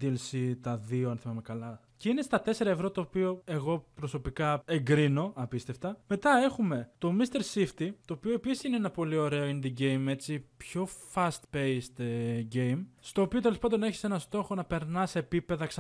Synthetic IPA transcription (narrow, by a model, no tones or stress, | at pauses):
d̪ielsit̪ɐðioɐnθevɐmekɐlɐ | ceine̞st̪ɐt̪e̞se̞ɾɐe̞vɾo̞t̪o̞ːpio̞e̞ɣo̞pɾo̞so̞pikɐe̞ŋɡɾino̞ɐpist̪e̞ft̪ɐme̞t̪ɐe̞xume̞t̪o̞mist̪e̞ɾsift̪it̪o̞ːpio̞episisineenɐpo̞lio̞ɾe̞oinðiɟe̞jme̞t͡sipço̞fɐst̪pe̞jst̪ɟe̞jmst̪oːpio̞t̪̬elepɐnd̪o̞ne̞çi̥se̞nɐst̪o̞xo̞nɐpe̞ɾnɐse̞ːpipe̞ðɐks